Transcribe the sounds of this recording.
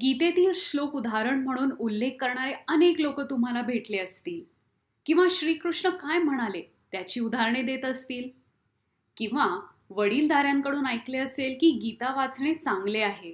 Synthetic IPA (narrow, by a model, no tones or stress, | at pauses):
ɡit̪et̪iːlɕlokud̪ʱaɾəɳm̤əɽ̃uːnulːekːəɾɳaɾeəneklokət̪um̤alabʱeʈleəst̪iːl | kĩw̃ʋaɕɾiːkɾuʂɳəkajm̤əɽ̃ale | t̪jat͡ɕiːud̪ʱaɾɳed̪et̪əst̪iːl | kĩw̃ʋa | ʋəɽiːld̪aɾjãŋkəɽuːnajkleəselkiːɡit̪aʋat͡sɳ̃et͡saŋɡleaɦe